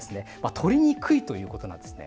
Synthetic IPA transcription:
sɨne̞mat̪ʰo̞ɾʲiɲ̟ikʰɯ̟it̪o̞jɯ̟ːko̞t̪o̞nã̰nd̪esɨne

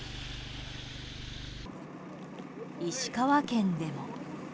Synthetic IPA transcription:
iɕi̥kaβakẽ̞nd̪e̞mo̞

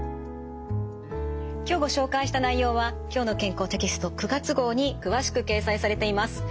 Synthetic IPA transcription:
kʲo̞ːɡo̞ɕo̞ːkaiɕi̥t̪anaijo̞ːβakʲo̞ːno̞kẽ̞ŋko̞ːt̪e̞kʲisɨ̥t̪o̞kɯ̟ɡat͡sɨɡo̞ːɲ̟ikɯ̟βaɕi̥kɯ̟ke̞ːsaisaɾe̞t̪e̞imasɨ̥

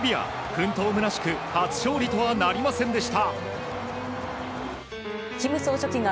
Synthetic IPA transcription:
bʲia̰ | kɯ̟̃nt̪o̞ːmɯnaɕi̥kɯ̟hat͡sɨ̥ɕo̞ːɾʲit̪o̞βanaɾʲimasẽ̞nd̪e̞ɕi̥t̪a | kʲimɯ̟soːɕokʲiŋa

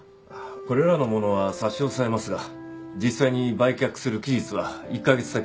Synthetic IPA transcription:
ako̞ɾe̞ɾano̞mo̞no̞βasaɕo̞ːsaɾe̞masɨɡad͡ʑisaiɲ̟ibaikʲakɯ̥sɨɾɯ̟kʲiʑit͡sɨβaikːaɡe̞t͡sɨ̥d̪ak

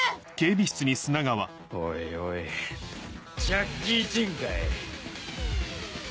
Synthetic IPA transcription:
ke̞ːbʲiɕi̥t͡sɨɲ̟isɨnaɡaβa | oioi | d͡ʑakɡʲit͡ɕĩŋkaj

